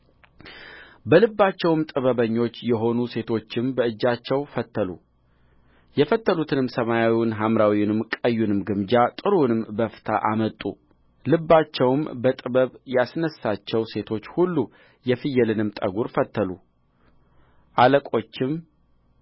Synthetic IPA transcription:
bəlɨbːat͡ʃːɛwɨmt̪ʼɨβəβəɲːo̞t͡ʃːjɛɦo̞nuse̞t̪ʰo̞t͡ʃːɪmbəɨd͡ʒːat͡ʃːɛwfət̪ʰːəlṵ | jɛfət̪ːəlut̪ʰɨnɨmsəmajawiwɪnɦamɾawiwnɨmkʼəjːunɨmɡɨmd͡ʒat̪ʼɨɾunɨmbəfɨ̥t̪ʰaʔamət̪ʼːṵ | lɨbːat͡ʃːɛwmbət̪ʼɨβəβjasnəsːat͡ʃːɛwse̞t̪ʰo̞t͡ʃːhulːu | jɛfɨjːɛlɨnɨmt̪ʼəɡuɾfət̪ːəlu | ʔaləkʼo̞t͡ʃːɪm

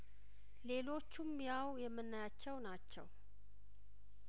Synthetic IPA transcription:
le̞lo̞t͡ʃːumjawjɛmːɨnːajat͡ʃːɛwnat͡ʃːɛ̰w

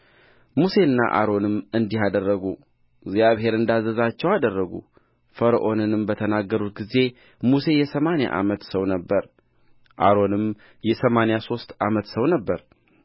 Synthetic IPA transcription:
muse̞ɨnːa̰ʔa̰ɾo̞nɨmɨnd̪iɦad̪ərːəɡu | ɡzjaβɦe̞ɾɨnd̪azəzat͡ʃːɛwad̪ərːəɡṵ | fəɾəʔo̞nɨnɨmbət̪ʰənaɡːəɾut̪̚ɡize̞ | muse̞jɛsəmana̰ʔa̰mət̪səwnəbːəɾ | ʔa̰ɾo̞nɨm | jɛsəmanjaso̞st̪ʔamət̪səwnəbːəɾ

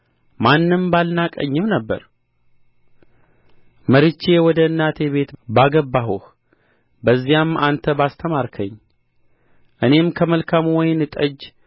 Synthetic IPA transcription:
manːɨmbalnakʼə̰ɲːɨmnəbːə̰ɾ | məɾɨt͡ʃːe̞wɔd̪əɨnːat̪ʰe̞βe̞t̪baɡəbːaɦoh | bəzːijamant̪ʰəbast̪ʰəmaɾkʰəɲː | ʔɨne̞mkʰəməlkʰamwɔjnɨt̪ʼəd͡ʒ

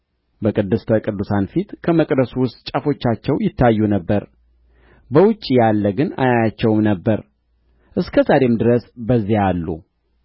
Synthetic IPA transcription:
bəkʼɨd̪ːɨst̪ʰəkʼɨd̪ːusanfit̪kʰəməkʼd̪əsuwʊst̪ʼt͡ʃʼafo̞t͡ʃːat͡ʃːɛwjɪt̪ːajːunəbːəɾ | bəwʊt͡ʃʼːijalːəɡɨna̰jajat͡ʃːɛwmnəbːəɾ | ʔɨskʰəzaɾe̞md̪ɨɾəsbəzːialːṵ

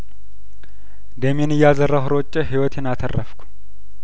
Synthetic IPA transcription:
d̪əmenɨjːazərːəwɦʊɾot͡ʃʼːeɦiwɔt̪ʰenat̪ʰərːə̰fkʷʰu̥

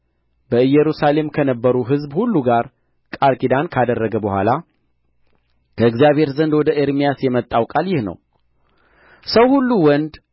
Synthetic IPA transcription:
b̥əɨjːɛɾusale̞mkʰənəbːəɾuɦɨzbhulːuɡaɾ | kʼaɾkʼid̪ankʰad̪ərːəɡəbəhʷa̰la | kʰəɨɡzijaβhe̞ɾzənd̪wɔd̪əʔeɾmijasjɛmət̪ʼːawkʼaljɪhnə̰w | səwhulːuwɔnd̪

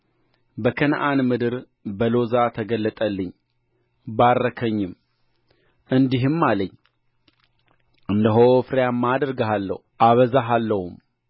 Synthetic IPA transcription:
bəkʰənʔanmɨd̪ɨɾ | bəlo̞zat̪ʰəɡəlːət̪ʼəlːɨɲː | barːəkʰəɲːɪm | ʔɨnd̪iɦɨmːaləɲː | ʔɨnd̪əɦofɾejamːad̪əɾɡəɦalːə̰h | ʔaβəzaɦalːəhum

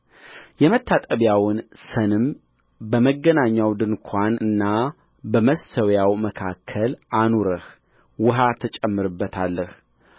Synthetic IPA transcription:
jɛmət̪ʰːat̪ʼəβjawnsənɨm | bəməɡːənaɲːawd̪ɨnkʷʰanɨnːa | bəməst̪ʰəwjawməkʰakʰːəlʔanuɾəh | wʊɦat̪ʰət͡ʃʼɛmːɨɾɨbːət̪ʰalːəh

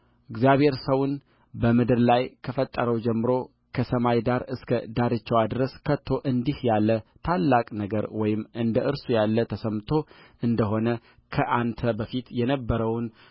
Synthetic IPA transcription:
ʔɪɡzjaβhe̞ɾsəwun | bəmɨd̪ɨɾlajkʰəfət̪ʼːəɾəwd͡ʒɛmːɨɾo̞ | kʰəsəmajd̪aɾɨskʰəd̪aɾɨt͡ʃːɛwad̪ɾəskʰət̪ʰːo̞ʔɨnd̪ihjalːət̪ʰalːakʼnəɡəɾwɔjɪmʔɨnd̪əʔɨɾsujalːət̪ʰəsəmt̪ʰo̞ʔɨnd̪əɦo̞nə | kʰəʔant̪ʰəbəfit̪jɛnəbːəɾəwn

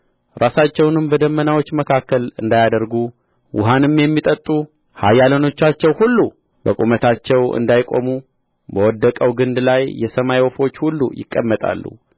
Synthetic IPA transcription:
ɾasat͡ʃːɛwnɨmbəd̪əmːənawo̞t͡ʃːməkʰakːəlɨnd̪ajad̪əɾɡu | wʔʊ̰ɦanɨmjɛmːit̪ʼət̪ʼːu | hajːaləno̞t͡ʃːat͡ʃːɛwhulːu | bəkʼumət̪ʰat͡ʃːɛwʔɨ̰nd̪ajkʼo̞̰mu | bəwɔd̪ːəkʼəwɡɨnd̪lajːɛsəmajwofo̞t͡ʃːhulːṵjɪ̰kʼːəmːət̪ʼa̰lːṵ

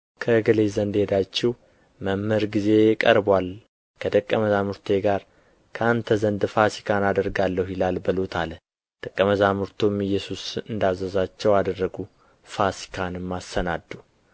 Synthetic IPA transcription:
kʰəɡəlezənd̪hed̪at͡ʃːɛw | məmːəɾɡize̞kʼə̰ɾbwal | kʰəd̪ʼəkʼːəməzamuɾt̪ʰe̞ɡaɾ | kʰəant̪ʰəzənd̪fasi̥kʰanad̪əɾɡalːəhjɪlalbəlot̪ʰal | d̪̥ʼəkʼːəməzamuɾt̪ʰomɨjːɛsusɨnd̪azəzat͡ʃːɛwad̪ərːəɡu | fasi̥kʰanɨmːasːənad̪ːu

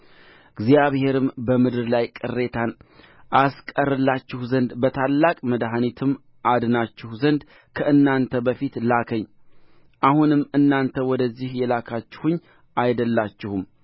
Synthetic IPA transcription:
ɡzjaβhe̞ɾɨmbəmɨd̪ɨɾlajkʼɨrːe̞t̪ʰan | ʔaskʼərːɨlːat͡ʃːɪhzənd̪bət̪ʰalːakʼməd̪ɦanit̪ʰɨmː | ʔad̪nat͡ʃːɪhzənd̪ | kʰəʔɨnːant̪ʰəbəfit̪lakʰəɲː | ʔahunɨmːɨnːant̪ʰəwɔd̪əzːihjɛlakʰat͡ʃːɪ̥huɲː | ʔajd̪əlːat͡ʃːɪhum

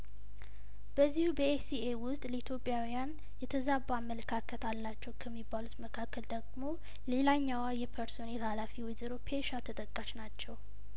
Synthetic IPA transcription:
b̥əzːihubəesiewʊst̪ʼləit̪ʰjo̞pʼːjawjan | jɛt̪ʰəzabamːələkʰakʰət̪ʰalːat͡ʃːɛwkʰəmːibːalut̪məkʰakːəld̪əɡmo̞ | le̞laɲːawajɛpʰəɾso̞nelhalafiwɔjzəɾopʰeʃat̪ʰət̪ʼəkʼːaʃnat͡ʃːɛw

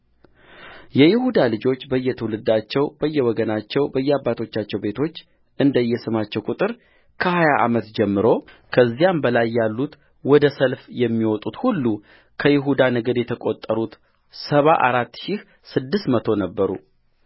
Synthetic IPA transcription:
jɛjɪhud̪alɨd͡ʒo̞t͡ʃːbəjːɛt̪ʰəwulɨd̪ːat͡ʃːɛwb̥əjːɛwɔɡənat͡ʃːɛwbəjːɛabːat̪ʰo̞t͡ʃːat͡ʃːɛwbe̞t̪ʰo̞t͡ʃː | ʔɨnd̪əjːɛsɨmat͡ʃːɛwkʼut̪ʼɨɾ | kʰəhajaʔa̰mət̪d͡ʒɛmːɨɾo̞kʰəzːijambəlajːalːut̪ | wɔd̪əsəlfjɛmːiwɔt̪ʼut̪hulːu | kʰəjɪɦud̪anəɡəd̪jɛt̪ʰəkʼot̪ʼːəɾut̪ | səβaʔa̰ɾat̪ːʃɪh | sɨd̪ːɨst̪mət̪ʰo̞nəbːəɾṵ

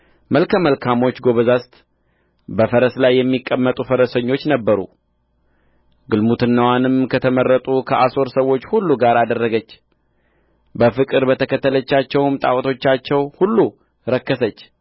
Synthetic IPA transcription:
məlkʰəməlkʰamo̞t͡ʃːɡo̞βəzast̪ | bəfəɾəslajːɛmːikʼːəmːət̪ʼufəɾəsəɲːo̞t͡ʃːnəbːəɾṵ | ɡɨlmut̪ʰɨnːəwanɨmkʰət̪ʰəmərːət̪ʼukʰəʔaso̞ɾsəwːo̞t͡ʃːhulːuɡaɾad̪ərːəɡət͡ʃː | bəfɨkʼɨɾbət̪ʰəkʰət̪ːələt͡ʃːat͡ʃːɛwmt̪ʼa̰wt̪ʰo̞t͡ʃːat͡ʃːɛwhulːu | ɾəkːəsət͡ʃː

